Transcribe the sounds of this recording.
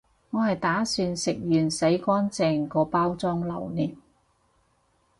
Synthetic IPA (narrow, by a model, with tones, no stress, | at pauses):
ŋɔː˨˧hɐ˨jt̪aː˨˥syː˧nsɪ˨k̚jyː˨˩nse˨˥jkʷɔː˥nt͡sɛː˨˧ŋkɔː˧paː˥wt͡sɔː˥ŋlɐ˨˩wniː˨p̚